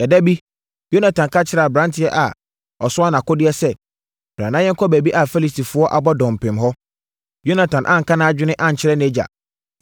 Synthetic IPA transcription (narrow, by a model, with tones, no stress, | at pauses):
ɛ˨dæ˦bi˦ | jo˦na˨tʰã˨nkʰa˦t͡ɕʰɪ˨˦ɾɛ˨a˨bɾã˦ntʰɪ˦ɛ˦ʔa˨ | ɔ˨sʊ˦a˦nã˨kʊ˦dɪ˦ɛ˦sɛ˨ | b̥ɾã˨nã˦jɛ˦ŋ˦kʰɔ˦bæ˨bi˦ʔa˨fɛ˦li˦sti˨fʊ˨˦ɔ˦ʔa˨bɔ˦dɔ̃˨m˨pʰɪ̃˨mɦɔ˦ | jo˦nã˨tʰã˨nʔã˦ŋ̩˨kã˦nã˦d͡ʑᶣɪ˦nɪ̃˦ʔã˦ɲ̩˨t͡ɕʰɪ˦ɾɛ˦nɛ̃˦d͡ʑa̰˨